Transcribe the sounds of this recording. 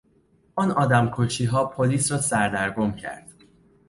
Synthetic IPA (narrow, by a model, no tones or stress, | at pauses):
ɒːnɒːd̪æmkʰot͡ʃʰiːɦɒːpʰoliːsɾɒːsæɾd̪æɾɡo̞mcʰæ̰ɾd̪̥